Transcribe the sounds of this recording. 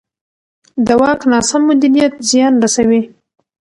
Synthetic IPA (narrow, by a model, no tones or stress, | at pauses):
d̪əwɑknɑsamːʊd̪iɾijat̪zjɑnɾasawi